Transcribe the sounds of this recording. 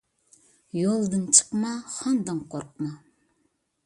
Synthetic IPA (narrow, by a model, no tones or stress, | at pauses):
jolˠd̪ɨnt͡ʃʰə̥qmɑχɑnd̪ɑŋqʰoɾqmɑ